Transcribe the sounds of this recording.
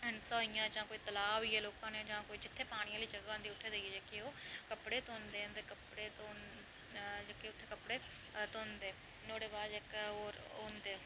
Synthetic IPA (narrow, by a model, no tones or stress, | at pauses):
ɪnsaːijãːd͡ʒãːkoːiːt̪ɐlaːʋɪːeːloːkãːned͡ʒãːkoːid͡ʒɪt̪ʰːepaːɽ̃iãliːd͡ʒɐɡaɦʊ̃nd̪iːʊʈʰeːd̪eied͡ʒeːkeoːkɐpɽet̪oːnd̪eːʊnd̪ekɐpɽet̪oːn | d͡ʒeːkeʊt̪ʰːekɐpɽe | t̪oːnd̪eː | noːɽebaːd͡ʒeːkoːɾ | ɦõːnd̪eː